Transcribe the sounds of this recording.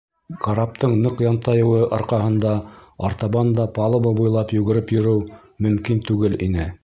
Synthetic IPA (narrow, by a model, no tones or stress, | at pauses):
qɑɾɑp̚t̪ɤɴnɤqjɑnt̪ɑjɤ̆wɤʔɑɾqɑɦɤ̆nd̪ɑɑɾt̪ɑβɑnd̪ɑpɑlˠɤbobujlˠɑpjʉɡɘ̆ɾɘpjɵ̆ɾɘw | mɵ̆mkint̪ʉɡɘlinɘ